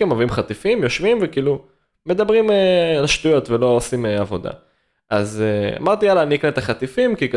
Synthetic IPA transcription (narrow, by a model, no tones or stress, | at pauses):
emovimχat̪ifimjo̞ʃvimvekiːlu | me̞d̪abʁimelaʃt̪ujo̞t̪velo̞osimeavo̞d̪a̰ | ʔazea̰maʁt̪ijalaːnikneet̪aχat̪ifimkik